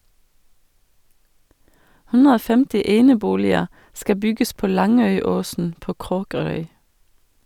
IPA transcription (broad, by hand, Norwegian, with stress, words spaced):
ˈhʉnɾə ˈoː ˈfɛmtɪ ˈeːnəˌbuːlɪə ˈskɑ ˈbʏɡəs ˈpoː ˈlɑŋœʏˌoːsn̩ ˈpoː ˈkʁoːkəɾœʏ